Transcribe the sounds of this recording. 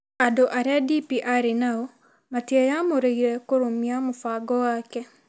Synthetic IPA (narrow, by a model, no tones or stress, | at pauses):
adoʔaɾeadipiʔaɾenaɔ | matiajamoɾeiɾɛkoɾomiamofaɡɔwaːkɛ